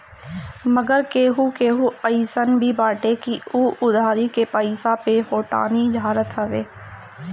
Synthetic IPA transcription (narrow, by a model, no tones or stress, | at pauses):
məɡəɾkeːɦukeːɦuəɪsənbʱibaːʈekiuːʔʊd̪ʱaːɾikepəɪsapeɦoːʈa̰ːnid͡ʒɦaːɾət̪ɦəʋeː